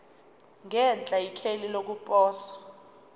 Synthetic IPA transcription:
ŋɛnt͡ɬʼaikʰelilok̬upʼɔːsḁ

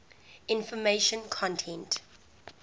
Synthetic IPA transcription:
ɪ̃nfɔmeʃə̃nkʰɔ̃ntʰɛ̃nt

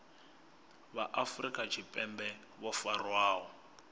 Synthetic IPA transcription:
βaʔafrikʼat͡ʃʰipʼɛmbɛ | βɔfarwaːɦɔ

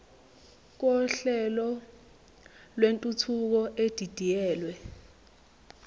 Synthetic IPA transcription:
k̬ɔɬɛlɔ | lwentʼutʰuk̬ɔed̥ʱid̥ʱijɛːlwɛ

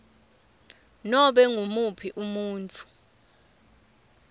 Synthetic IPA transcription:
nɔɓɛŋʱumupʰiʔumuːnt͡fʰʼu̥

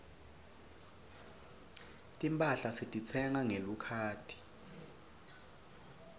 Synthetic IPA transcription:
tʼimpʼaɬasitʼit͡sʰɛŋaŋelukʰaːtʰi̥

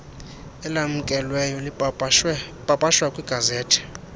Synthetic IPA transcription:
ɛlam̩kʼɛlwɛjɔli | pʼapʼaʃwakʼwiɡ̥ʱazɛːtʰɛ̥

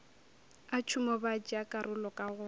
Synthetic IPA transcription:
at͡ʃʰʊmɔbad͡ʒiakʼarʔʊlɔkʼaɣʊ

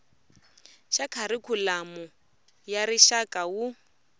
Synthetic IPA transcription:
ʃakʰaɾikʰulamɔ | jaɾiʃakʼawu

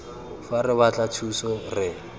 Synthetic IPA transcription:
farɪβat͡ɬʼat͡sʰusɔrɪ

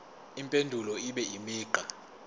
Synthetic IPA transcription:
impʼendʱulɔiɓɛimiːǃa

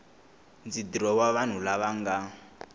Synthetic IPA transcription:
nd͡zidiɾɔwaβan̤ulaβaŋɡa

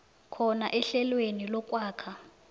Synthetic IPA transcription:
kʰɔnaʔɛɬɛlwenilɔk̬ʼwaːkʰa

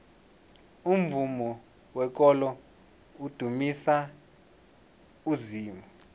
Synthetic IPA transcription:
um̩vumɔ | wɛk̬ʼɔlɔ | ud̥ʱumisa | uziːmɔ

